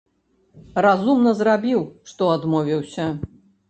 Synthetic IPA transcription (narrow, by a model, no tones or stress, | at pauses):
razumnɐzrabʲiwʂt̪ɔad̪mɔvʲiwsʲɐ